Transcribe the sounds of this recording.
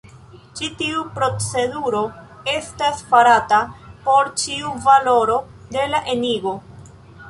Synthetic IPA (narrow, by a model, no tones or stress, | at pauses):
t͡ʃitiupɾo̞t͡se̞duɾo̞ | e̞stasfaɾatapo̞ɾt͡ʃiuvalo̞ɾo̞ | de̞laʔe̞niɡo̞